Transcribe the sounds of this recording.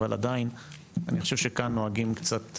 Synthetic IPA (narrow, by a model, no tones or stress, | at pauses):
vala̰dain | anixoʃevʃekanːoaɡimkt͡sat̪